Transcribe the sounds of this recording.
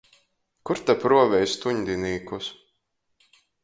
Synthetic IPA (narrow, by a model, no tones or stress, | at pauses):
kuɾt̪apɾuɔvʲɛjst̪uɲd̪ʲiniːkus